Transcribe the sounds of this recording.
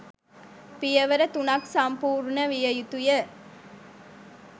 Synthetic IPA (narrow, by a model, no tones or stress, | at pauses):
pijəʋəɾət̪unɐksɐmpuːɾɳəʋijəjut̪ujə